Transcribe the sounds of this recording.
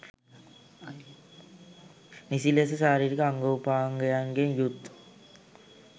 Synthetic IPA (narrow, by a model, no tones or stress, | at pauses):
nisilesəsaːɾiːɾikəaŋɡoupaːŋɡəjaŋɡenjut̪ː